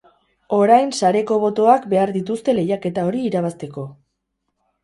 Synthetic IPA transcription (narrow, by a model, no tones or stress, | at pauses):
o̞ɾajnsaɾe̞ko̞βo̞t̪o̞akbe̞aɾðit̪ust̪e̞le̞jake̞t̪ao̞ɾiːɾaβast̪e̞ko̞